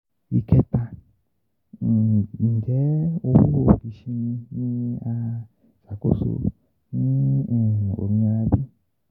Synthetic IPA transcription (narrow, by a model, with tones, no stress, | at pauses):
i˨kɛ˦t̪a˧˨ | n̩˨d͡ʒɛ˨˦o˧fu˦ho˦˧˨bi˨˦ʃi˧nĩ˧nĩ˦a˧ | sa˨˦ko̰˦˨so̰˧ | nĩ˦˨ | o̰˨mĩ˧ɔ˧ɾa˧bi˦